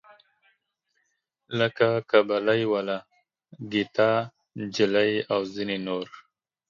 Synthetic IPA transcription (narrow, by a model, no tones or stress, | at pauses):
ləkakabalajwala | ɡit̪a | d͡ʒɪlajawzinenoɾ